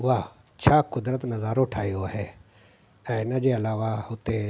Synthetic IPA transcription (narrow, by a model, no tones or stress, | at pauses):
ʋaː | t͡ʃʰaːkʊd̪ɾət̪nɐzaːɾoʊʈʰaːjoaɦeː | ɛ̃ːnɐd͡ʒeːɐlaːʋaʊt̪e